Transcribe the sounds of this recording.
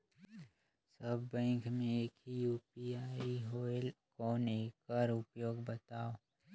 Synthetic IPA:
səbːɛ̃ːŋkmẽeːkɦijuːpiaːiɦoːelkɔːneːkəɾʊpjoːɡbɐt̪aːoː

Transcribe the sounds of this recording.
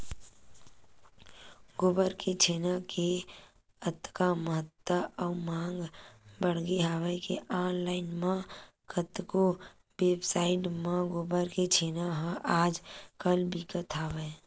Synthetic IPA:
ɡobəɾket͡ʃʰeːnakʰe | ət̪kaməɦət̪ːəɔːmãːŋɡbəɽ̤ɡeɦaːʋəkeʔaːnlaːɪnmã | kət̪ko | weːbsaːɪʈmãɡoːbəɾket͡ʃʰeːnaɦãʔaːd͡ʒkəlbʱikət̪ʰaːwɛː

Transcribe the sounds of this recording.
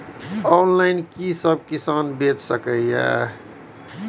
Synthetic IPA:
ɔnlaɪnkisəb̚kisanbet͡ʃsəkəjja̰

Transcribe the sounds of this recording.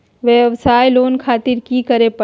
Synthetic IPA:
ʋəʋsaːjloːnkʰaːt̪ɪɾkikəɾepə

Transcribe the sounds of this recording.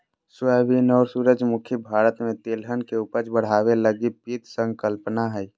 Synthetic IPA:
səbinɔːɾsuːɾəd͡ʒmʊkʰjəbʱaːɾət̪mẽt̪elɦənkeupət͡ʃbəɽ̤aːweləɡipit̪sə̃ŋɡkəlpnaɦɛi

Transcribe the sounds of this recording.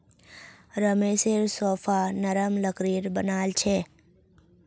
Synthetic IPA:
ɾəmeːseɾsoːfʰanəɾəmləkɾiːɾbənaːlt͡ʃʰeː

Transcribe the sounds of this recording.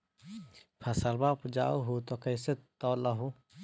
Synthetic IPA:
pʰɐsəlbaːpd͡ʒa̰ːoɦot̪okəjset̪ɔːlɐɦo

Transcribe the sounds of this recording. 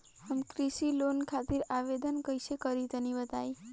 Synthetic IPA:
həmkɾisilonkʰat̪iɾaʋed̪ənkəjsekəɾit̪ənibət̪aj

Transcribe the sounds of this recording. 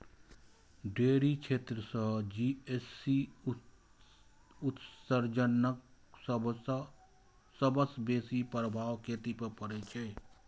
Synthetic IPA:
ɖeːɾit͡ʃʰeːt̪ɾəsə̃d͡ʒiesi | ʊt̪səɾd͡ʒənək | s | səbəsbeːsipɾəbʱaːʋkʰeːt̪ipəpəɾet͡ʃʰɛː

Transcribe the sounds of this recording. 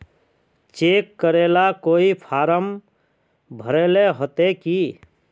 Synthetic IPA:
t͡ʃeːkːəɾeːlakoːipʰaːɾəm | bʱəɾeːleɦot̪eki

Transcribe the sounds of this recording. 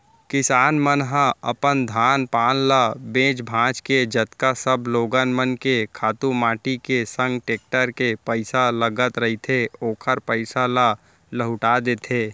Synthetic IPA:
kɪsaːnmənɦə̃əpənd̪ʱaːnpaːnlabẽːd͡ʒbʱãːt͡ʃked͡ʒət̪kasəbʱloːɡənmənkekʰaːt̪umaːʈikesə̃ŋɡʈeːk̚ʈəɾkepəɪsaləɡət̪ɾɐɦit̪ʰeoːkʰəɾpəɪsala | ləɦʊʈaːd̪eːt̪ʰeː

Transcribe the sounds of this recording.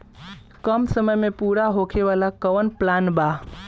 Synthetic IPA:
kəmsəməjmẽpuːɾaɦokʰeʋalakəʋənplaːnba

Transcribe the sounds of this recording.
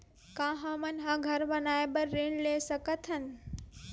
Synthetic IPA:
kãːɦɐ̃mɐnɦãɡʱɐɾbɐnaːebəɾːeɳleːsəkət̪ʰɦən

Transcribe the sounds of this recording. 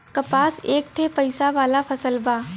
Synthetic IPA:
kɐpaːseːk̚t̪ʰepɐɪsaʋaːlafʰɐsəlbaː

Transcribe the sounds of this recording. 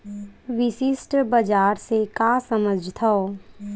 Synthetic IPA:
ʋɪsɪsʈbəd͡ʒaːɾsekasəməd͡ʒʱt̪ʰoo

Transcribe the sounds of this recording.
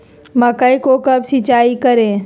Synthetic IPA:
mɐkəikokɐbsɪt͡ʃaːikəɾẽː

